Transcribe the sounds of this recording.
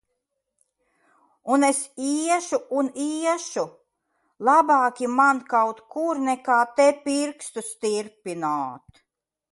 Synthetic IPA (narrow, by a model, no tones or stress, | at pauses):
unesiɛʃuuniɛʃu | lˠabɑːkʲimankawt̪kuɾnɛkaːt̪ɛpiɾkst̪ust̪iɾpinaːt̪